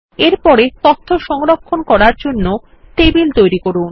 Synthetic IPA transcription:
eɾpɔɾet̪ɔt̪ʰːoʃɔŋɾokʰːonkɔɾaɾd͡ʑonːo | ʈebilt̪ojɾikoɾun

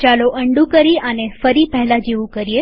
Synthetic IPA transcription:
t͡ʃaloʔəɳɖũkəɾiʔənefəɾipɛɦɛlad͡ʒeʋũkəɾie

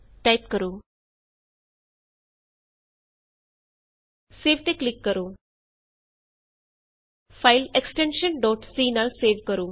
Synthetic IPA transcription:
ʈajp̚kəɾuː | seːʋʈ̪eklɪkːəɾoː | fʰaɪleksʈẽnʃənɖɔːʈsiːnalseːʋkəɾuː

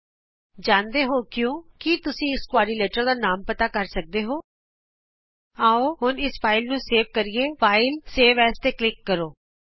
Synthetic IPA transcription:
d͡ʒãːnd̪eːɦoːkjõːkit̪ʊsĩːɪskwaːɾiːleːʈəɾd̪aːnaːmpət̪aːkəɾsək̚d̪eːɦoː | aːoːhʊnɪspʰaːɪlnũːseːʋkəɾɪeːfʰaːɪlseːʋɛːst̪eːklɪkːəɾoː

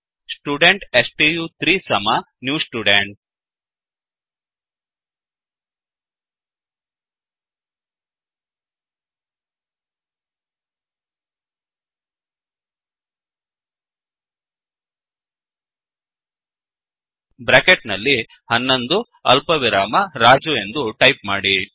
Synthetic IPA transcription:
sʈuːɖeɳʈesʈijuːt̪ɾiːsɐmɐ | njuːsʈuːɖeɳʈ̚ | bɾaːkeʈnɐlːi | hɐnːɐnd̪u | ɐ̰lpɐʋiɾaːmɐɾaːd͡ʒue̞nd̪uʈɐjpmaːɽi

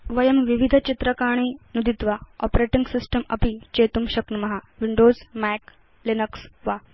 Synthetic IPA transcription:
ʋɐjəmʋiʋid̪ʱət͡ɕit̪ɾəkaɳ̃iːnud̪it̪ʋaɔpɾeʈiŋɡsisʈəmɐ̰pit͡ɕet̪umɕɐknmɐɦaʋiɳɖoːzmæk | linəksʋa

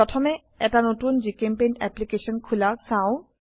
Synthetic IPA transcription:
ɔtʰɔmɛ | ɛtanotunzikempejndɛ̰plikesɔnkʰulaɹsaʊ

